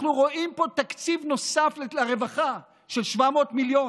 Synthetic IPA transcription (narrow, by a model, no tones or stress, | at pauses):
nuʁo̞ʔimpo̞t̪akt͡sivno̞saflelaʁe̞vaχa | ʃelʃvamo̞ːtmiljo